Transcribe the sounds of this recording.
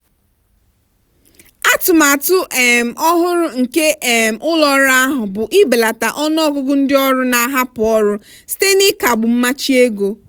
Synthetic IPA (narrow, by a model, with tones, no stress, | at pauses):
a˦tʊ˨ma˨tʊ˦ʔe˨m̩˨ʔɔ˦ɦʊ˦ɾʊ˦ŋ̩˨ke˦ʔe˨m̩˨ʔʊ˦lɔ˦ɾa˦ɦʊ˨bʊ˨ʔi˦be˨la˨ta˨ʔɔ˦n˦ɔ˦ɡʊ˦ɡʊ˦n̩˦dɪ˦ɔ˦ɾʊ˦na˨˦ɦa˦pʊ˨ɔ˦ɾʊ˦ | si̥˦te˦nɪ˦ka˨ɡ͡bʊ˨m̩˦ma˦t͡ʃi˦e˦ɡo˨